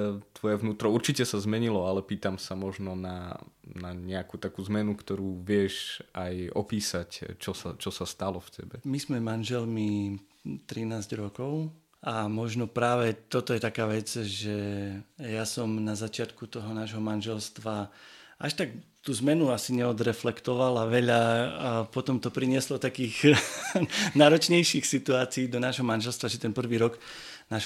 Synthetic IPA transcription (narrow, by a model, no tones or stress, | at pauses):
t̪ʋɔjɛvnuːt̪ɾɔuɾt͡ʃicɛsazmɛɲilɔalɛpiːt̪amsamɔʒnɔnanaɲɛakuːt̪akuːzmɛnukt̪ɔɾuːʋɪɛʃajɔ̰piːsact͡ʃɔsat͡ʃɔsast̪alɔfcʰɛbɛmizmɛmanʒɛlmi | t̪ɾinaːzɟɾɔkɔʊ | amɔʒnɔpɾaːʋɛt̪ɔt̪ɔjɛt̪akaːʋɛd͡zʒɛ | jasɔmnazat͡ʃɪat̪kut̪ɔɦɔnaːʒɦɔmanʒɛlst̪ʋaʔaʃt̪akt̪uːzmɛnuasiɲɛɔd̪ɾɛflɛkt̪ɔʋalaʋɛʎapɔt̪ɔmt̪ɔpɾiɲɪɛslɔt̪akiːɣ | naːɾɔt͡ʃɲɛjʃixsit̪uaːt͡siiːd̪ɔnaːʒɦɔmanʒɛlst̪ʋaʒɛt̪ɛnpr̩ʋiːɾɔɡ | naːʒ